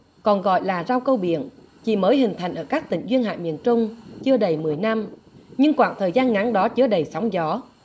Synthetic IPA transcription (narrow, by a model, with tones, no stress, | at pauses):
kɔ˨˩nɣɔ̰˧˨jlaː˨˩zaː˧wkə˧wɓḭ˧˨ən | t͡ɕḭ˧˨məː˨˦jɦï˨˩ŋ̟t̪ʰa˨˩jŋ̟ʔəː˧˩kaː˦˥k̚t̪ï˧˩ŋ̟zwi˧ənha̰ː˧˨mḭ˧˨ənt͡ɕʊ˧ŋ͡mt͡ɕɨ˧əɗə˨˩jmɨ˨˩əjna˧m | ɲɨ˧ŋkwaː˧˨ŋt̪ʰəː˨˩jzaː˧nŋa˨˦ŋɗɔ˨˦t͡ɕɨ˧əɗə˨˩jsɔ˨˦wŋ͡mzɔ˨˦